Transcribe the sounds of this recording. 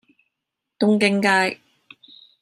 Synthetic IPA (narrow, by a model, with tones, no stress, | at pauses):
t̪ʊ˧ŋkɪ˨˥ŋkaː˧j